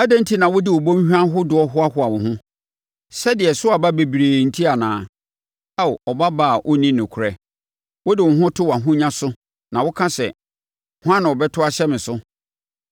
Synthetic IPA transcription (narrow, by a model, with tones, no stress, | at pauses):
a˦dɛ̃˦n̩˦tʰi˦nã˨wʊ˦dɪ˦wɔ˨bõ˦m˦ɕᶣã˦ɦʊ˦dʊ˨˦ɔ˦ɦʊ˦a˦hʊ˦a˨wʊ̃˨ɦʊ̃˦ | sɛ˦dɪ˨ɛ˨sʊ˦a˨ba˦be˨bi˨ɾeː˨n̩˨tʰi˦a˨nã̰ː˨˦˨ | a˦˨ɔ˨ba˦ba˨ʔʊ˦nĩ˦nʊ̃˨kʰʊ˨ɾɛ˨ | wʊ˦dɪ˨wʊ̃˨ɦʊ̃˦tʰʊ˦wa˨ɦʊ̃˦ɲã˦sʊ˦ | nã˨wʊ˦kʰã˦sɛ̰˨ | hʊ˦ã˦nã˨wɔ˨bɛ˦tʰʊ˦a˦ɕɛ˦mɪ̃˨sʊ˦